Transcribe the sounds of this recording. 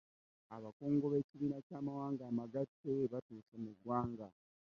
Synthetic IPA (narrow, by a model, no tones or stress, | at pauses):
aβakoːŋɡo̞βe̞ːciβiːnacaːmawaːŋɡaːmaɡatːeβatuːsamuɡwaːŋɡa